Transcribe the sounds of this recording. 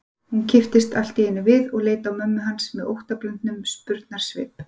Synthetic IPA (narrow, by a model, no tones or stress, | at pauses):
huncʰɪft̪ɪst̪al̥t̪iɪnːʏvɪðɔɣleːjt̪awmœmːʏɦansmɛðowht̪aplœnt̪nʏmspʏɾt̪naɾ̥svɪ̰ːp